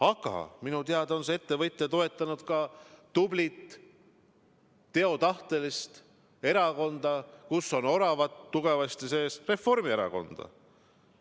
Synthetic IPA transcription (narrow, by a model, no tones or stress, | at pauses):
ɑɡ̥ɑ̰minut̪eɑd̪o̞nsee̞t̪ːe̞vɤjt̪ːˑet̪o̞e̞t̪ːˑɑnud̪̥kɑt̪ublit̪ | e̞o̞t̪ɑht̪e̞list̪ | e̞ɾɑko̞nd̪̥ɑkusːo̞no̞ɾɑvɑt̪ːuɡ̥e̞vɑst̪ise̞ːsre̞fo̞rmie̞ɾɑ̰ko̞̰nd̪̥ɑ̰